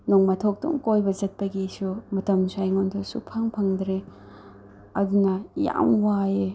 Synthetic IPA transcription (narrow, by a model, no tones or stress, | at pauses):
noŋmɐtʰok̚tṵŋkojbɐzɐt̚pɐɡisumɐtɐmsajŋontʰosupʰaŋpʰɐŋdɾe | ɐdunɐja̰mwae